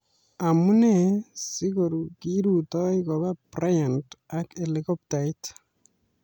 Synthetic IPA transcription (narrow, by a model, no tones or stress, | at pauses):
amunesikoɾukiɾutɔikɔβaprajantakelikɔp̚tait